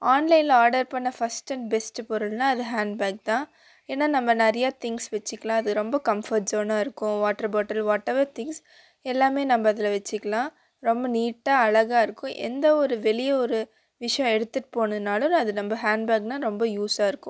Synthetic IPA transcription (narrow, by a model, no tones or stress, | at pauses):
aːnlɐɪnlaːɾɖɐɾpɐɳːɐfɐsʈɛɳbɛsʈpɔɾɯlnaːɐðɯɦaːɳɖ̚baːk̚t̪ãː | eːnːaːnɐmbɐnɐɾɐjaːt̪ɪŋɡsʋɛt͡ʃːɪkːɐlãːɐðɯɾɔmbɐkɐmfɐɾʈsoːnaːɪɾɯkːʊ̃ʋaːʈːɐɾboːʈːɐlʋaːʈːɛʋɐɾt̪ɪ̃ŋɡs | ɛlːaːmeːnɐmbɐːðɪlɐʋɛt͡ʃːɯkːɐlãː | ɾɔmbɐniːʈːaːɐɭɐɣaːɪɾɯkːʊ̃ʔɛ̰nd̪ɐɔɾɯʋɛlɪjɐɔɾɯ | ʋɪʂɐjɔ̃ɛɽɯt̪ːɯʈːɯ̥poːnɐðɯnaːlɯ̃nɐðɯnɐmbɐɦaːɳɖbaːk̚nãːɾɔmbɐjuːsaːɪɾɯkːʊ̃